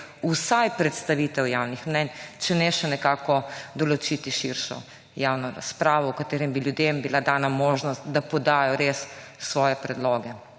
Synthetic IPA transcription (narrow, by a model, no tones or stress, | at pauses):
usajpɾɛt̪st̪aʋiːt̪ɛwjawnixmnɛnt͡ʃɛnɛʃɛnɛkaːkɔd̪ɔlɔt͡ʃit̪iʃiɾʃɔ̰ | jaːwnɔɾa̰spɾaːʋɔwkat̪eːɾɛmbiljud̪embilad̪aːnamoʒnɔst̪d̪apɔd̪aːjɔɾesːʋɔːjɛpɾɛd̪lɔːɡɛ